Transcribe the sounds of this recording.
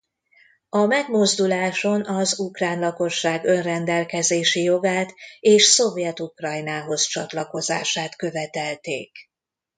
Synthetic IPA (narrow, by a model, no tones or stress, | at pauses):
ɒmɛɡmo̞zd̪ulaːʃo̞nɒzukraːnlɒko̞ʃːaːɡø̞nrɛnd̪ɛlkɛzeːʃijo̞ɡaːt̪eːʃso̞vjɛt̪ukrɒjnaːɦo̞st͡ʃɒt̪lɒko̞za̰ːʃaːt̪kø̞vɛt̪ɛlt̪ḛːk